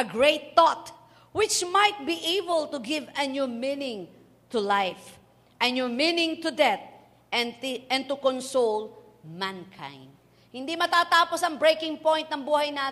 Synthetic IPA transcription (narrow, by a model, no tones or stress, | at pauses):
ʔɐɡɹejt̪ːɔt̪ | wɪt͡ʃmajt̪̚biʔebəlt̪ʊɡɪvɐnjuminɪ̃ŋ | t̪ʊlajf | ʔɐ̃njʊminɪ̃ŋt̪ʊd̪ɛt̪̚ | ɛ̃nt̪ʊkɔnsol | mankʰã̰j̃nd̪̚ | hɪnd̪imɐt̪aːt̪aːposɐŋbɹejkɪ̃ŋpɔ̃jnt̪̚nɐŋbuːhajna